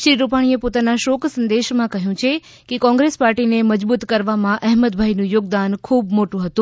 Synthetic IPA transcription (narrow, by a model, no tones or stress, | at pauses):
ʃɾiɾupaɽ̃iepot̪anaʃokʰsənd̪eʃmãkəɦjũt͡ʃʰe | kekɔ̃ŋɡɾespaɾʈineməd͡ʒbut̪kəɾʋamãʔɛɦməd̪̚bʱajnũjoːɡ̚d̪ankʰubmoʈũɦət̪ũ